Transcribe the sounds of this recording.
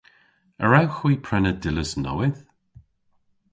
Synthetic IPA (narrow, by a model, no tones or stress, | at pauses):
ə̰ɹawxwiːpʰɹɛnədɪləsnɔ̰wɪð